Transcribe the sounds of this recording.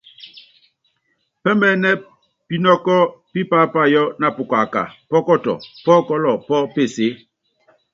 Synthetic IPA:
pɛ˦mɛ˦nɛ˦ | pi˦nɔ˦kɔ˦pi˦pa˦pa˦jɔ˦na˨pu˨ka˨ka̰˨pɔ˦kɔ˦tɔ̰˨pɔ˦kɔ˦lɔ˨pɔ˦pe˦˨se˨˦

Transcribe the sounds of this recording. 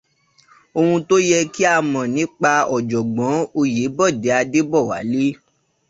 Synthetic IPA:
o˧hũ˧to˦jɛ˧ki˦a˧mɔ̃˨nĩ˨˦k͡pa˧ɔ˨d͡ʒɔ˨ɡ͡bɔ̃˨˦o˧je˨˦bɔ˦˨de˨˦a˧de˦bɔ˦˨wa̰˨˦li˦

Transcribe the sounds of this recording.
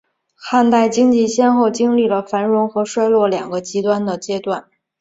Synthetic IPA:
xa˥˧nt̪a˥˩ɪt͡ɕi˥ŋt͡ɕi˥˩ɕjɛ˥nxo˥˩ʊt͡ɕi˥ŋli˥˩lə˩fa˧˥nɻʊ˧˥ŋxɤ˧˥ʂwa˥ɪlwɔ˥˩ljɑ˨˩ŋɡə˦t͡ɕi˧˥t̪wa˥nd̪ə˨t͡ɕjɛ˥t̪wa˥˩n

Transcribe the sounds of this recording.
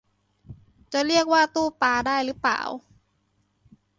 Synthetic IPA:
t͡ɕa˨˩ɾi˥˩ək̚waː˥˩t̪uː˥˩paː˧daː˥˩jlɯ˨˦˥pa̰ː˨˩w

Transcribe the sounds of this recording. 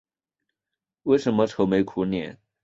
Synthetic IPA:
we˥˩ɪʂə˧˥nmə˧ʈ͡ʂʰo˧˥ʊme˧˥ɪkʰu˧˥njɛ˧˥n

